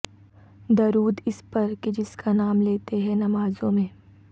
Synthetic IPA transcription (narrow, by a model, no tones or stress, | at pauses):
d̪ɐɾuːd̪ɪspɐɾked͡ʒɪskʰanaːmleːt̪eɦɛnɐmaːzõmẽː